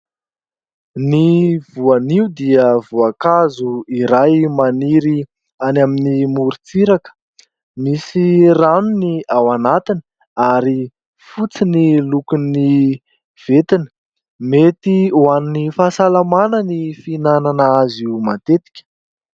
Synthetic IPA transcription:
nivuaniud̪iəvuakazuiɾajmaniɾi | anaminimuɾit͡siɾakə̥ | misiranuniawanat̪inə̥ | aɾi | fut͡sinilukuni | v̥et̪inə̥ | met̪iuaninifasalamanənifinananaaziumat̪et̪i̥kʲə̥

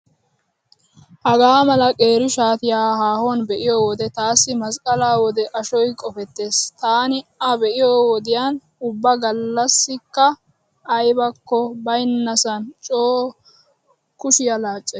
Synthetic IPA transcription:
hɐɡaːmɐlɐkʼe̞ːɾɪʃaːt̪ɪjaːhaːhɔnbɛʔɪjɔːwɔd̪ɛt̪aːsːɪmɐskʼɐlaːwɔd̪ɛʔɐʃɔjkʼɔfɛt̪ːe̞ːst̪aːnɪɐbɛʔɪjoːwɔd̪ɪjaːn | ʊbːɐɡɐlːɐsːɪkːɐ | ɐjbɐkːɔbɐjnːɐsɐnt͡ʃʼoː | kʊʃɪjɐlaːt͡ʃʼːe

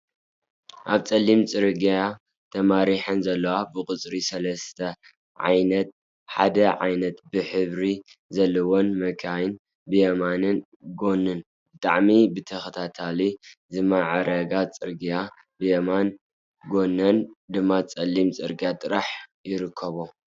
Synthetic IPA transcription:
ʔaβt͡sʼɐlːimt͡sʼɨɾɡa | t̪ʰɐmaɾiħɨnzɐlːɐwabɨkʼɨt͡sʼɾisɐlɐst̪ʰɐ | ʕa̰jnɐt̪̚ | ħad̪ɐʕa̰jnɐt̪bɨħɨβɾi | zɐlːɐwo̞nmɐkʰajɨn | bɨjɐmanɨn | ɡo̞nːɨn | bɨt̪ʼa̰ʕmibɨt̪ʰɐxɐt̪ʰat̪ʰalizɨmaʕɾɐɡat͡sʼɨɾɡija | bɨjɐman | ɡo̞nːɐnd̪ɨmːat͡sʼɐlːimt͡sʼɨɾɡijat̪ʼɨɾaħjɪɾɨkʰːɐβo

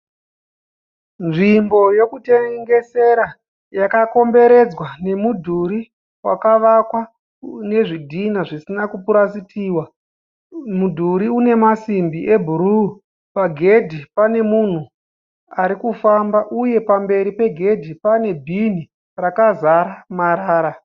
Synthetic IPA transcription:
nʐimbo̞jo̞kute̞ŋɡe̞se̞ɾa | jakako̞mbe̞ɾe̞d͡zwane̞mudʱuɾi | wa̰kaʋakwa | ne̞ʐidʱinaʐisinakupuɾasitiːwa | mudʱuɾiune̞masimbiʔebʱuɾu | paɡʱe̞dʱipane̞mun̤u | aɾikufambaʔuje̞pambe̞ɾipe̞ɡʱe̞dʱipane̞bʱini | rakazaɾamaɾaːɾa

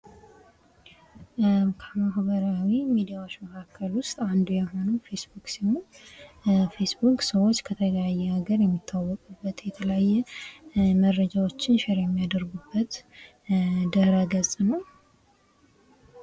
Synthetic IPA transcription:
kʰəmahbəɾawimid̪ijawot͡ʃːməkʰakʰːəlwʊst̪ʼand̪ujɛɦo̞nufe̞sbuksimul | fe̞sbukʼsəwot͡ʃːkʰət̪ʰələjajːɛaɡəɾjɛmːit̪ʰːawːɔkʼubːət̪jɛt̪ʰələjajːɛ | məɾːəd͡ʒawo̞t͡ʃːɪnʃɪɾjɛmːijad̪əɾɡubːət̪ | d̪əhɾaɡəzʼnəw

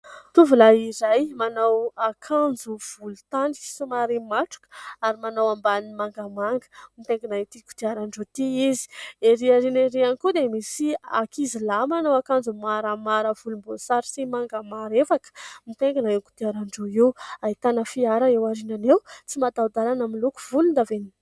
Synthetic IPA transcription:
t̪uvulaiɾajmanawakʰand͡zuv̥ulut̪anisumaɾimaʈ͡ʂu̥kə̥aɾimanawambanimaŋɡamaŋɡə̥mit̪eŋɡinat̪iku̥t̪iaɾaɳɖ͡ʐot̪iizi̥eɾiaɾineɾianikud̪emisia̰kizilamanawakand͡zumaɾamaɾəvulumbosaɾsimaŋɡamaɾefakə̥mit̪eŋɡinaeku̥t̪iaɾaɳɖ͡ʐoewait̪anəfiaɾaewaɾinanewt͡simad̪aud̪alanamiluku̥vulund̪aveni

